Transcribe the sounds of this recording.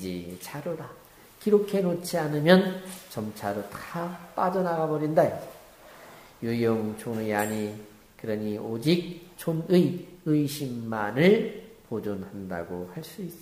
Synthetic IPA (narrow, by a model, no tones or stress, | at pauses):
d͡ʑit͡ɕʰaɾoda | kiɾokʰe̞not͡ɕʰianɯmjʌnt͡ɕʌmt͡ɕʰaɾotḁap͈ad͡ʑʌnaɡabʌɾinda | jujoŋt͡ɕʰonɯjaɲi | kɯɾʌɲiod͡ʑik̚t͡ɕʰonɯjɯiɕʰimːanɯɭpod͡ʑunhanda̰ɡohaɭs͈uis͈ʌ